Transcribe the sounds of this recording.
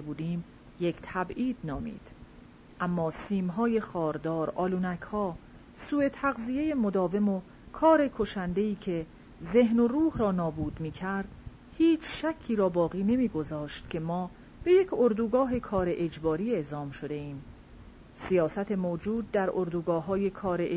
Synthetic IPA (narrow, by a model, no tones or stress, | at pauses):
ebuːd̪iːm | je̞ct̪ʰæbiːd̪̥nɒːmḭːd̪̥ | ʔæmːɒːsiːmɦɒːje̞xɒːɾd̪ɒːɾʔɒːluːnækʰhɒː | suːe̞t̪ʰæɣzije̞je̞mod̪ɒːve̞mo̞ | kʰɒːɾe̞kʰo̞ʃænd̪e̞iːcʰe̞ | ze̞ɦnoruːhɾɒːnɒːbuːd̪miːcʰæɾd̪̥ | hiːt͡ʃʰʃækʰːiːɾɒːbɒːɣiːne̞miːɡo̞zɒːʃt̪̚cʲʰe̞mɒː | b̥e̞je̞cʰoɾd̪uːɡɒːɦe̞kʰɒːɾe̞ʔed͡ʒbɒːɾiːe̞ʔzɒːmʃo̞d̪e̞iːm | sijɒːsæt̪ʰe̞moːd͡ʒuːd̪̚ːæɾoɾd̪uːɡɒːɦɒːje̞kʰɒːɾe